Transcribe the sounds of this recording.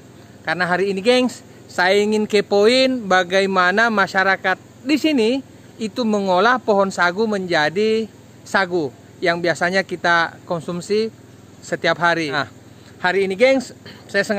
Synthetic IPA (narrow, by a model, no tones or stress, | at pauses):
karnaɦaɾiːniɡɛŋsː | ajaiŋɪnkepoinbaɡajmanamaʃaɾakat̪̚disini | it̪uməŋolahpɔɦɔnsaɡuməɲd͡ʒadi | saɡu | jaŋbiasaɲakit̪akɔnsumsi | sət̪iapɦaɾia | haɾiːniɡɛŋssajasəŋ